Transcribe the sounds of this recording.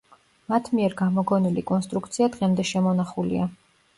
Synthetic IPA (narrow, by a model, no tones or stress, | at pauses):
mat̪ʰmiɛɾɡamɔɡɔnilikʼɔnst̪ʼɾuk̚ʰt̪sʰiad̪ʁɛmd̪ɛʃɛmɔnaχulḭa